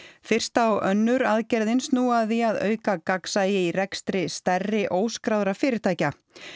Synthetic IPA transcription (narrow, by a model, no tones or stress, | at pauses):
fɪr̥st̪awœnːʏɾaðcɛɾðɪnsnuaðiaðœ̰ːɥkakaksajɪirɛkst̪ɾɪst̪ɛrːɪʔoːwskɾawðɾafɪːɾɪɾ̥t̪ʰaːjca